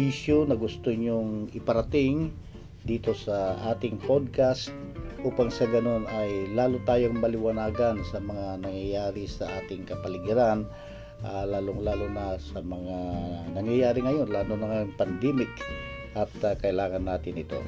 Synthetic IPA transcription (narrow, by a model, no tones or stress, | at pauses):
isjonɐɡʊst̪oɲoŋɪpɐɾɐt̪ɪŋ | d̪iːt̪o̞sɐʔaːt̪ɪŋpod̪̚kast̪̚ʔuːpaŋsɐɡɐno̞nɐjlaːlot̪aːjoŋmɐlɪwɐnaːɡɐnsɐmɐŋanɐŋjɐjaːɾɪsɐʔaːt̪ɪŋkɐpɐlɪɡɪɾan | ʔalaːloŋlaːlonɐsɐmɐŋanɐŋjɐjaːɾɪŋɐjo̞nlaːlonɐŋɐjoŋpɐnd̪ɛmɪk | ʔɐt̪kɐʔɪlaːŋɐnːaːt̪ɪnɪt̪o̰